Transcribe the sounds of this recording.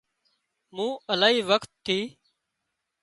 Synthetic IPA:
mũːəlaːɦiːʋəkt̪ʰːiː

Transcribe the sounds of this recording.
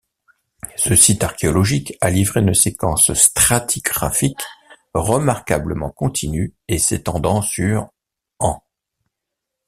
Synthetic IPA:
səsit̪aʁkʲeɔlɔʒikalivʁeynəsekɑ̰̃sst̪χat̪ʰiɡʁa̰fik | ʁəmaʁkabləmɑ̃kɔ̃t̪ʰinyeset̪ɑ̃d̪ɑ̃syʁ | ɑ̃

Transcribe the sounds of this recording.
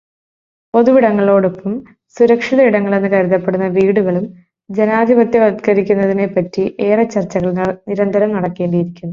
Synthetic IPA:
po̞ðuʋiɽɐŋːɐɭo̞ːɽopːɐm | suɾɐkʂiðɐiɽɐŋːɐɭe̞nːɨkɐɾuðɐpːeɽunːɐʋiːɽuɣɐɭum | d͡ʑe̞naːd̪ʱibɐt̪jɐʋɐd̪ikɐɾikʲːunːɐðine̞pːɐtːiʔe̞ːrɐt͡ɕːɐrt͡ɕːɐɣɐɭnniɾɐnd̪ʱɐɾɐmnɐɽɐkːe̞ːɳɖijiɾikʲːunːu

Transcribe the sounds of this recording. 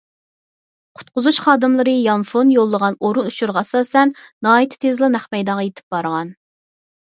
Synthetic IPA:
qʰʊ̥t̪̚qʊzuʃχɑːd̪ɨmlˠɨɾɨjɑnfonjolˠːəʁɑnoɾunuʃʰuɾʁɑɛsɑːsɛnːɑːit̪ʰɪ̥t̪ʰezlˠɨnæχmɛjd̪ɑʁɑjet̪ʰɪ̥p̚b̥ɑɾʁɑn

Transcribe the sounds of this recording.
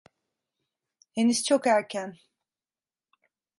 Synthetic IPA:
henist͡ʃʰokæɾcʰæn

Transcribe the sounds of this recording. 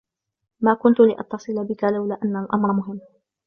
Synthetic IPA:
maːkʊnt̪ʊlɪʔɑ̰t̪ːɑsˤɨlbɪkalawlaʔanːalʔɑmɾˤmʊɦɪmː

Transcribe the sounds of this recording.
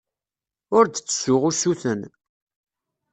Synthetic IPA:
ʊɾd̪ət͡sːə̥sʊʁusuθən

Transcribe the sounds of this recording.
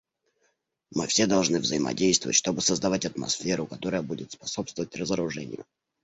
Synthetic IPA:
mɨfsʲed̪ɐlˠʐnɨvzəɪmɐ̰dʲejst̪vəvətʲʂt̪o̞bɨsəzd̪ɐvatʲɐt̪mɐ̰sfʲeɾʊkɐt̪o̞ɾəjəbudʲɪt̪spɐso̞pst̪vəvətʲrəzəɾʊʐɛnʲɪ̰jʊ̰

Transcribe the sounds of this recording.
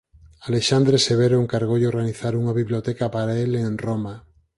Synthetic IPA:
aleʃand̪ɾeseβ̞eɾoeŋkaɾɣowʎeoɾɣaniθaɾuŋaβiβliot̪ɛkapaɾaelenroma

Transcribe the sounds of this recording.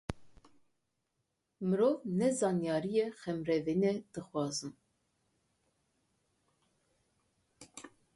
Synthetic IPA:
mɨɾovnɛzɑnjɑːɾijɛxɛmɾɛvenɛd̪̥ɨxwʷɑːzɨm

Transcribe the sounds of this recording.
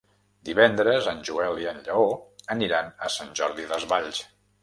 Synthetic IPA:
d̪iβɛnd̪ɾəzənʲʒuɛliənʎəoəniɾanəsanʲʒɔɾðiðəzβaʎs

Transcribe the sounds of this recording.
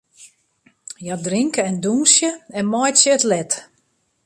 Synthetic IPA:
jadriŋkəɛndunsjəɛnmɔjtsjəətlɛt

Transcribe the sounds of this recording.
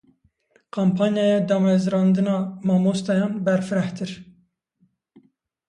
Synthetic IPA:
kʰompʰɑnjɑjɛd̪ɑːmɛzɾɑnd̪ɨnɑːmɑːmost̪ɑjɑnbɛɾfɨɾɛht̪ɨɾ

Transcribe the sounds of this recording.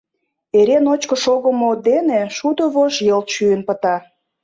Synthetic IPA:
eɾenot͡ɕkə̆ʃoɣəmod̪eneʃud̪oβoʃjəlt̪ʃyənpə̆t̪ɑ

